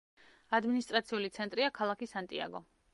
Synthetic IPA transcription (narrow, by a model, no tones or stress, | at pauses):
ad̪minist̪ʼɾat̪sʰiulit̪sʰɛnt̪ʼɾiakʰalˠakisant̪ʼia̰ɡɔ